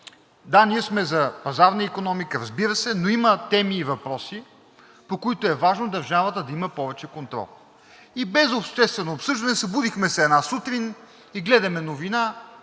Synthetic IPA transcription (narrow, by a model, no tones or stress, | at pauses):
d̪aniəsmɛzɐpɐzaɾnəikonɔmikəɾɐzbiɾəsɛnoimət̪ɛmiːvɐpɾɔsi | pokoit̪ʊɛvaʒnod̪ɐɾʒavət̪əd̪ɐiməpɔvɛt͡ʃɛkont̪ɾɔ̰lˠ | ibɛzopʃt̪ɛst̪vɛnoːpsɤʒd̪ɐnɛsɐbud̪ixmɛsɛɛd̪nasut̪ɾin | iɡlɛd̪ɐmɛnovina